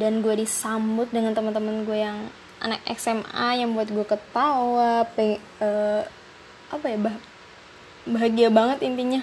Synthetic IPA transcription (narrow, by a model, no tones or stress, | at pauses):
danɡuadisambʊt̪̚dəŋant̪əmənt̪əmənɡuajaŋ | ʔa̰nak̚ɛ̰ksɛma̰jaŋbuat̪̚ɡuakət̪awapə | ə | ʔapajaba | baɦaɡiabaŋət̪int̪iɲa